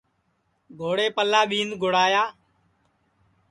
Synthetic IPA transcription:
ɡʱoːɽeːpəlːaːɓiːnɡʱoɽaːjaː

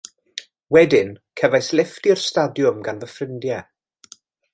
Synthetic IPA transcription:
wɛdɪnkʰəvajslɪftirstadjʊmɡanvəfrɪndjɛ

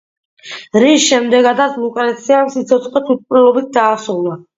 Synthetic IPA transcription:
ɾisʃɛmd̪ɛɡad̪at̪sʰmukʼɾɛt̪sʰiamsit̪sʰɔt̪sʰʼχɔt̪ʰwit̪̚pʼɾilɔbit̪̚d̪aːsuvna

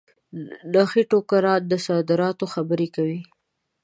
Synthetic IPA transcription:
naxiʈokaɾɑt̪̚d̪əsɑd̪ɪɾɑt̪oxabəɾekawi

